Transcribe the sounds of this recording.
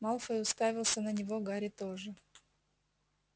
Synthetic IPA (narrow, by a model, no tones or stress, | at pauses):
malˠfəʊst̪avʲɪlˠsʲənənʲɪvoɡaɾʲɪt̪oʐɨ